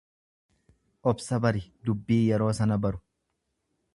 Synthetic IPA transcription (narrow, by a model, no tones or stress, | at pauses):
ʔɔbsɐbɐɾɪd̪ʊbːiːjɛɾo̞ːsɐnɐbɐɾʊ̥